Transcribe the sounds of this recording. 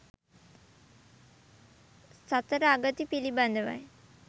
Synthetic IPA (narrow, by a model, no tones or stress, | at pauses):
sɐt̪əɾaɡət̪ipilibɐnd̪əʋa̰j